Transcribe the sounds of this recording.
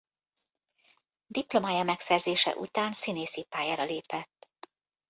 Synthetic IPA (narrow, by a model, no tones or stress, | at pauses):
d̪iplo̞maːjɒmɛksɛrzeːʃɛ̰ʔṵt̪aːnsineːsipaːjaːɾɒleːpɛt̪ː